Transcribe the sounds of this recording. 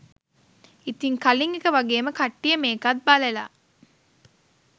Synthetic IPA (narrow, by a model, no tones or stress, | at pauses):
it̪iŋkaliŋekəʋaɡeːməkaʈːijəmeːkat̪̚balela̰ː